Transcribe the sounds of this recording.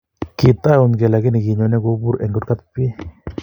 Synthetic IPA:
kɪ˨t̪a˦ʊ˨nɡɛ˨la˨ɡɪ˦nɪ˨ɡi˨ɲɔ˨nɛ˦ɡo˦bu˦ɾɛ˨ŋɡo˦ka˦t̪pe˦

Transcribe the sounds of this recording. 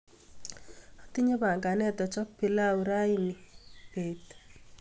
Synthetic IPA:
ɔ˨ti˦ɲe˦ba˨ŋɡa˨nɛ˦t̪ɔ˨t͡ʃɔ˦pi˨la˦uɾa˦ini˨pe˨t

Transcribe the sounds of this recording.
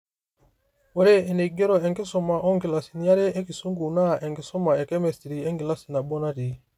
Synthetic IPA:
wo˨ɾe˦e˨ne˨ɡe˦ɾo˨e˨ŋɡe˦sɔ˨ma˨ʔo˦ŋɡi˨la˨si˨ni˨˦a˦ɾe˦e˦ki˨su˦ŋɡu˨na˦˨ʔe˨ŋɡi˨sɔ˦ma˨e˨ke˦me˨sti˨ɾi˨e˦ŋɡi˨la˦si˨na˨bo˦na˦ɾi˨

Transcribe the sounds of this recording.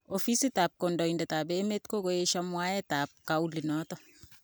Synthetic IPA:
ofi˦si˦ta˨p̚ko˨ndɔ˨i˨ndɛ˨taː˨beː˦me˦tko˦ko˦je˦ʃa˦mwa˦jɛta˨p̚kau˦li˨nɔ˦tɔ

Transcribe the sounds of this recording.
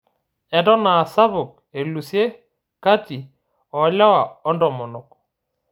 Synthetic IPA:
ɛ˨tɔ˦naː˨sa˦βʊ˨k̚ | e˨lu˨sje˦ | ka˦ti˨ | ɔ˨˦la˦wa˨ɔ˦ndɔ˨mɔ˨nɔ˨k

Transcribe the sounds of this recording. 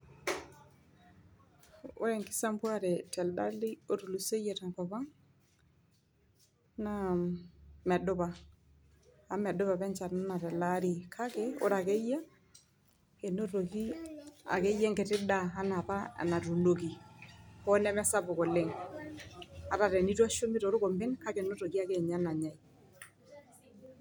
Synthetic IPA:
ʊ̰˦ɾɛ˨ŋkɪ̥˦sa˦mpu˦a˦ɾɛ˨tɛ˨lda˦li˦o˦tu˨lu˨se˦je˨ta˨ŋkɔ˨ba˦ŋ | na˦ | mɛ˨dʊ˦ba˨ | a˦mɛ˨dʊ˦βa˨bɛ˦nt͡ʃa˨na˦na˨tɛ˨la˦ɾi˨kʰa˦kɛ˦o̰˦ɾa˨ke˦ja˦ | kɛ˨no˦to˨ki˦a̰˨kɛ˦jɛ˦ŋkɛ˨tɪ˦daː˦na˨pa̰˦˨na˨tu˨no˨k̬i˨kɔ˦nɛ˦mɛ˦sa˦bʊ˨kɔ˨le˦ŋ | a˨ta˨ɾɛ˨ni˦tu˦a˦ʃo˦mi˦tɔ˨ɾʊ˦kɔ˨mbɪ˦nka˦kɛ˨no˦to˨ki˦a˦˨kɛ˦˨ɲa˦na˨ɲa˨i

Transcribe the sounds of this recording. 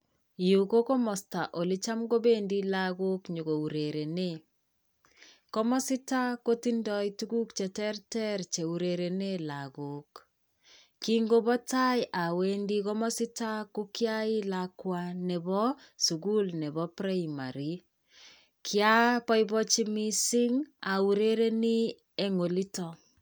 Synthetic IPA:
ju˨ko˦ko˦mɔ˨sta˨ʔo˨li˦t͡ʃa˦mɡo˦be˦ndi˦la˦ɡo˦kɲo˨ko˨u˨ɾe˨ɾe˨ne˦ | kɔ˦mɔ˦sɪ˦ta˦ko˦ti˦ndɔ˦itu˦ku˦kt͡ʃɛ˨tɛ˦ɾtɛ˦ɾt͡ʃe˨u˨ɾe˨ɾe˨ne˦laɡo˨k | ki˦ŋɡo˦bɔ˦ta˦jʔa˨we˦ndi˦kɔ˦mɔ˦sɪ˦ta˦ku˦kja˦i˦lakwa˦nɛ˨bɔ˦ | su˨ku˦lnɛ˨βɔ˦pɾe˦ma̰˨ɾi˦ | kʰja˦pɔ˦jbɔ˦t͡ʃi˦mi˦si˦ŋa˨u˨ɾe˦ɾe˦ni˦ | e˨ŋo˨li˦tɔ˨

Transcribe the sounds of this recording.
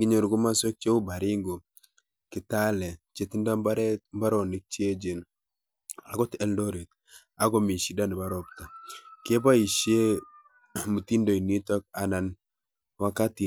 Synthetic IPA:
ɡi˦ɲo˨ɾɡu˦ma˦so˦k̚t͡ʃe˦u˦ba˨ɾɪ˦ŋɡo˨ | kɪ˨ta˦lɛ˨t͡ʃe˨ti˦nda˦mba˦ɾɛ˦mba˦ɾɔ˨nɪ˨˦k̚t͡ʃi˦e˦d͡ʒe˨n | a˨ɡɔ˦tɛ˦ldɔ˦ɾe˨t̚ | a˦ɡɔ˦mi˨ʃi˨da˦ni˨ba˨˦ɾɔ˨p̚ta˨ke˦ba˦i˨ʃje˦ | mu˨ti˦ndo˨i˨ni˦tɔ˦k̚a˨na˨n | wa˦ka˦ti˨

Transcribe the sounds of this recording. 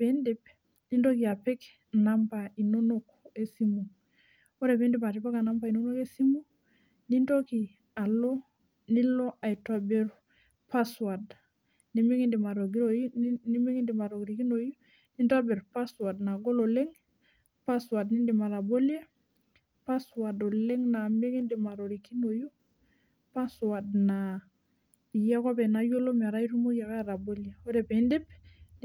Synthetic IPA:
e˦ndi˦p̚ | ni˦ndo˦ki˨a˨pe˦k | na˦mpa˨i˨no˦no˦k | e˦si˦mu˨ŋ | o˦ɾe˨pe˦ndi˦pa˨ti˨pa˦ka˨na˦mba˨i˨no˦no˦ke˦si˦mu˦ | ni˦ndo˦ki˨ | a˨lo˦ | ni˦lo˦ʔa˨i˨twa˦be˦ɾ | pa˦swa˨d | ni˦mi˦ŋi˦ndi˨ma˨ɾo˨ɡi˦ɾo˦ni˦mi˦ŋi˦ndi˨ma˨ɾo˨ɡɾi˨ki˦no˨ju˦ | ni˦nda˦be˨ɾpa˦swa˨dna˨ɡo˦lo˨le˦ŋ | pa˦swa˨dni˦ndi˨ma˨ɾa˨bo˦le˦ | pa˦swa˨do˨le˦ŋna˨me˦ŋi˦ndi˨ma˨ɾo˨ɾi˨ki˦no˨ju˦ | pa˦swa˨dna˨ | i˨ja˦ko˦pe˨na˨jo˦lo˦mi˨a˨ɾa˦i˦ɾu˦mo˦ja˨ka˦ɾa˨bo˦lje˨o˦de˨pe˨i˦ndi˦p

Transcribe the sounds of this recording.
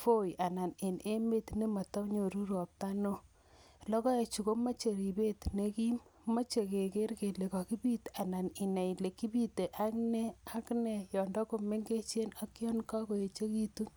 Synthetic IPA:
fo˦ja˨na˨ne˨ne˦me˦tne˦ma˨tɔ˦ɲo˨ɾu˦ɾwɔ˨p̚ta˦no˦ | lɔ˦kɔ˦e˨t͡ʃu˨ko˦ma˦t͡ʃe˨ɾi˨be˦tne˦ki˦mma˦t͡ʃe˨ke˨ke˦ɾke˨le˨ka˨ki˦pi˦ta˨na˨ni˨na˨i˨le˨ki˦bi˦te˨ʔa˦knɛ˦a˦knɛ˨jɔ˨ndɔ˦ko˨me˦ŋɡe˦t͡ʃe˦na˦ki˦ɔ˦nka˦ko˨je˨t͡ʃe˦ki˦tu˦n

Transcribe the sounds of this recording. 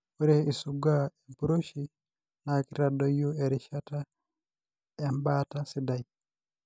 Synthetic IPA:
o˦ɾe˦i˨suɡa˦e˨mpuɾo˦ʃi˦ | na˨ki˦ɾa˨dɔ˦jo˦e˨ɾɪʃa˦ta˦ | e˦mba˦ta˦sɪ˦da˨i

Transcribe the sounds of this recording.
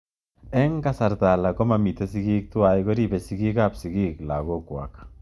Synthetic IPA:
ɛ˦ŋka˦sa˨rta˨la˨ko˦ma˨mi˨te˦si˦ɡi˦k̚tu˦wa˨jko˦ɾi˦be˨si˦ɡi˦kapsi˨ɡi˦kla̰˨ko˦kwa̰˨k

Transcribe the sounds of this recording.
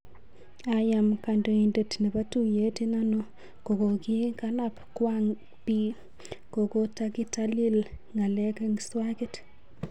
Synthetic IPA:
ajamkando˨i˨nde˨tne˨pa˦tu˦˨je˦ti˦na˦no˦ | ko˨ko˨kɪ˦ka˦napkwaŋ | pi˦ | ko˨ko˦ta˦kɪ˦tali˦l | ŋa˨lɛ˦ke˦ŋswa˦ke˦t

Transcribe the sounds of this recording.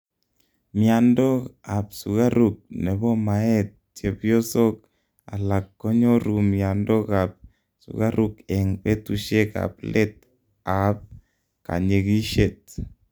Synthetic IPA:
mia˨ndɔ˦kapsu˨ɣa˦ɾuk̚nɛ˨bɔ˦maɛ˦t̪̚t͡ʃe˨pjo˦so˦k̚ | a̰˨la˨kːɔ˦ɲɔ˦ɾu˨mja˨ndɔ˦kap̚ | sṵɣa˦ɾukɛ˨ŋpɛtuʃe˦ka̰plʔɛ˦t̪̚ | a˨p̚ | ka̰˨ɲe˨ki˦ʃet̪̚

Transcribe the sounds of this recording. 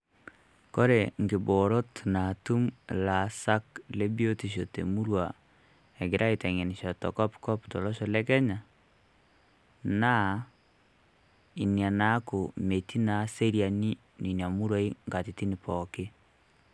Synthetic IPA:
ko˦ɾe˨ŋɡɪ˨bɔ˨ɾo˦tna˨tu˦mla˨sa˦kle˦bi˦o˦ti˨ʃo˨tḛ˨mu˦ɾwa˨ | ɛ˨ɡɪ˨ɾʔa˦i˨tɛ˨ŋe˨nɪ˨ʃɔ˨tɔ̰˨kɔ˦pkɔ˦ptɔ˨lɔ˦ʃɔ˨lɛ˦kɛ˦ɲa˨ | na˦ | i˨nja˨na˦ko˨me˨ti˦na˨˦se˦ɾja˨ni˦ | ni˨nja˨mu˦ɾa˦i˦ŋɡa˨ti˨ti˦nɪ˨pɔ˨kɪ˦

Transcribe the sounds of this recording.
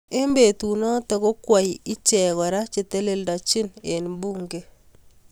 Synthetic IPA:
e˦mbe˨tu˨nɔ˦tɔ˨ko˦kwa˨ji˦t͡ʃɛ˨ɣɔ˨ɾa˦t͡ʃe˨te˦le˦lda˨t͡ʃɪ˦ne˨nbu˦ŋɡe˦

